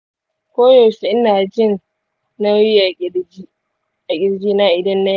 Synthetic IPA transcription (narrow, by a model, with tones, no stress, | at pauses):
kʷoː˦joː˨si˨ʔɪ˦naː˨d͡ʒɪ˦˨n | na˦wji˦ʔa˨˦ | ʔa˨ɡʲɪ˦ɽd͡ʒiː˦naː˦ʔɪ˨dɐ˦nːa˦